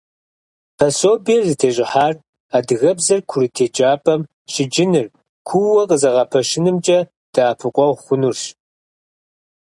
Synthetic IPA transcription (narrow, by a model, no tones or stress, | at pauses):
pʰɐsoːbiːrzɨtʰeːɕʼɪħaːr | aːdɨɣɐbzɐrkʷʰʊɾɨtʰeːd͡ʒaːpʼɐm | ɕɪd͡ʒɪnɨr | kʷʰuwɐqəzɐʁɐpʰɐʃɪnɨmt͡ʃʼɐ | d̥aːpʰɨqʷʼɔʁχʷʊnurɕ